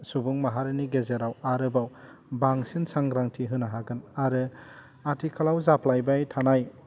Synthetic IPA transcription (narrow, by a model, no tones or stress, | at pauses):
subuŋmaɦaɾɯniɡezeɾawaɾɯbawbaŋsinsaŋɡɾaŋtʰiɦɯnaɦaɡɯnaɾɯ | atʰikʰalawzapʰlajbajtʰanaj